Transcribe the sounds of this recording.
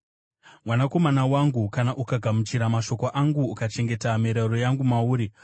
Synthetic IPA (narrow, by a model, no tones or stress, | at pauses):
mwanako̞manawaŋɡukanaʔukaɡʱamut͡ʃiɾamaʃo̞koʔaŋɡuːkat͡ʃe̞ŋɡe̞tamiɾaɾojaŋɡumauːɾi